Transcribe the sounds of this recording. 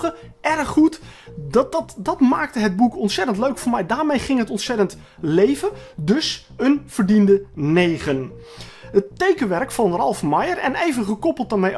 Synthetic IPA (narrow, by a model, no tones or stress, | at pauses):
əʔɛrχutdtdɑtmaːk̚təɦəd̚bukɔntsɛtəntløɥkfʊːɹmɛjdaːɹmejχɪŋɦətɔntsɛtənt | lejvədɵs | ənv̥əɹdindənejχən | ɦətːejkənʋɛɹkfɑnrɑlˠfmajərɛ̰nejvənχəkɔpəlˠt̚əɹmej